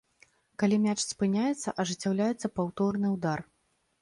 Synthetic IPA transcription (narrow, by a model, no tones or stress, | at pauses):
kalʲimʲat͡ʂspɨnʲajɛt̪sːɐʔɐʐɨt͡sʲːawlʲajɛt̪sːɐpawt̪ɔrnɨwd̪ar